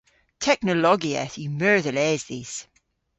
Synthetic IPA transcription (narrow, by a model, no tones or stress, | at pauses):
tʰɛk̚nəlɔɡiɛ̰θjəmɜ˞ðəlɛzðiz̥